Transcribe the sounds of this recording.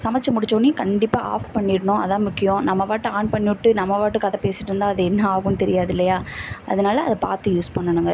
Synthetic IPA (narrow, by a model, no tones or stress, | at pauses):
sɐmɐt͡ʃːɐmʊɽɪt͡ʃːoːnːikɐɳɖɪpːaːʔa̰ːfpɐɳːɪɽɐɳʊ̃ɐ̰ðãːmʊkːɪjõnɐmːɐʋaːʈːɯaːnpɐɳːɪʈːɯnɐmːɐʋaːʈːɯkːɐðɐ̃peːsɪʈːɾɯnd̪ãːɐðɛɛnːɐaːɣɯ̃nt̪ɛɾɪjaːðɪlːɐjaːʔɐ̰ðɐnaːlɐːðɐpa̰ːɾt̪ɯjuːspɐɳːɐɳɯŋɡɐ